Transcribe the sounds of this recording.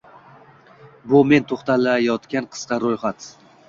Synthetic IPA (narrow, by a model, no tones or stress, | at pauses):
bʊme̞nt̪ʰoχt̪alajɒt̪kʲanqʰɨ̥sqɑɾojχat̪